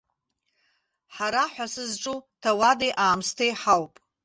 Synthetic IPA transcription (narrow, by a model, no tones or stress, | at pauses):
ħaɾaħʷasɨzʈ͡ʂʼutʰawadejʔaːmstʰejħawpʼ